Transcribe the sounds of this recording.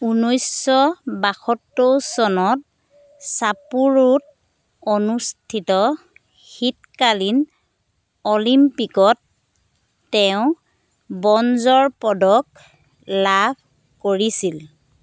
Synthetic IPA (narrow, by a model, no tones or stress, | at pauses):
unɔjsɔbaxɔtːowsɔnɔt̚ | sapuɹut̚ | onustʰitɔ | xitkalin | ɔlimpikɔtː | ɛʊ̃ | bɔnzɔɹpɔdɔk̚ | lab̥̚ʱ | koɹisil